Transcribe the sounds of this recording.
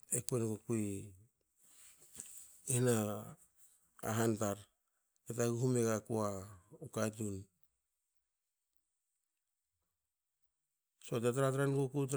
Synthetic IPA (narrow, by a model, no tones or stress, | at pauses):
ekuenɡokui | ihna | ɦantaɾ | ketaɡuhumeɡakuaukajt̬un | sotet̬aɾat̬ɾanɡokut̬